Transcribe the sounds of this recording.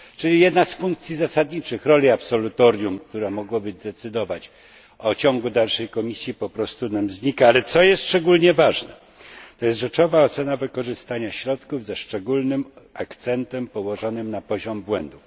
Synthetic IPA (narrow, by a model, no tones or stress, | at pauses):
t͡ʂɘlʲijɛd̪nasfuŋk̚t̪sʲizasad̪ɲit͡ʂɘxɾɔlʲiapsɔlut̪ɔɾʲjumk̚t̪uɾamɔɡwabɘd̪ɛt̪sɘd̪ɔvat͡ɕ | ɔt͡ɕɔŋɡud̪alʂɛjkɔmʲisʲjipɔpɾɔst̪unamzɲikaalɛt̪sɔjɛst̪ʂt͡ʂɛɡulɲɛvaʐnɛ̰ | t̪ɔjɛst̪ʐɛt͡ʂɔvaɔt̪sɛnavɘkɔʐɘst̪aɲaɕɾɔt̪kuvzɛʂt͡ʂɛɡulnɘmakt̪sɛnt̪ɛmpɔwɔʐɔnɘmnapɔʑɔmbwɛnd̪uf